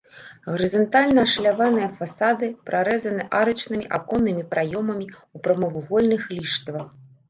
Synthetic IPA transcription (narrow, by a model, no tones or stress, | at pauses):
ɣɐɾɨzɐnt̪alʲnɐːʂlʲavanɨjɐfasad̪ɨpɾʔaɾɛzɐnɨʔaɾɐt͡ʂnɨmʲiʔakɔnːɨmʲipɾʔajɔmɐmʲiupɾɐmɐvuɣɔlʲnɨxlʲiʂt̪vɐx